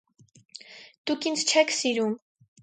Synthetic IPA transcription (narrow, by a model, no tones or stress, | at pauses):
d̪̥ukʰind͡zʰt͡ʃʰɛkʰsiɾum